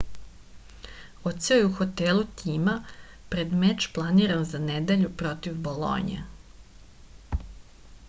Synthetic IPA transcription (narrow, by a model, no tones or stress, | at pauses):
ot̪seojeuxot̪elut̪iːma | pɾed̪met͡ʃplˠaniɾanzaned̪eʎupɾo̞t̪iʋbolˠo̰ɲḛ